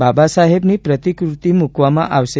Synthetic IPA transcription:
babasaɦebnipɾət̪ikɾut̪imukʋamãʔaʋʃe

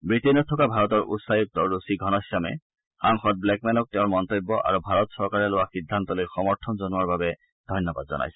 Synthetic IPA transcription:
bɹitenɔtʰːɔkabʱaɹɔtɔɹutsajik̚tɔɹusiɡʱɔnɔsjamɛ̰ | xaŋxɔt̚blɛk̚mɛnɔk̚tɛʊ̃nmɔntobːɔʔa̰ɹubʱaɹɔtsɔɹkaɹɛlowaxidʱːantɔlojxɔmɔɹtʰɔnzɔnuaɹbabɛ | dʱɔjnːɔba̰dzɔ̰na̰jsɛ̥

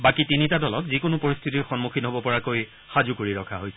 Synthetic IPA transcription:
bakitinitadɔlɔkzikʊnʊpoɹist̪ʰitiɹxɔnmukʰinɦobɔpɔɹakoj | xazukoɹiɹɔkʰaɦojsɛ

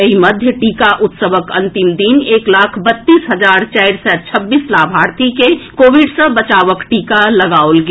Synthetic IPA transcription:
ɦimɐd̪ʱjəʈiːkaʔʊt̪səʋəkɐ̃nt̪ɪmd̪ineːklaːkʰbət̪ːiːsɦɐd͡ʒaːɾt͡ʃaːɪɾsɛːt͡ʃʰəbːiːslaːbʱaːɾt̪ʰikekoːʋɪɖsə̃bət͡ʃaːʋəkʈiːkalɐɡaːolɡ

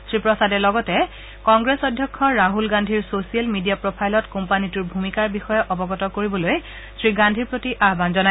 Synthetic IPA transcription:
sɹipɹɔsadɛlɔɡɔtɛ | kɔŋɡɹesɔdʱjɔkʰːɔɹaɦulɡandʱiɹsosiɛlmidijapɹopʰajlɔtkɔmpanituɹbʱumikaɹbixɔjɛʔɔbɔɡɔtɔkoɹibɔloj | sɹiɡandʱiɹpɹotiʔaɦbanzɔna

